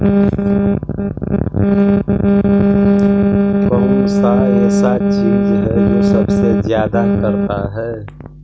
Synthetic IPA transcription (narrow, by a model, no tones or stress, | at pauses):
kɔ̃ːsaɛːsat͡ʃiːzɦɛd͡ʒoːsəbsezjaːd̪akəɾt̪aɦɛː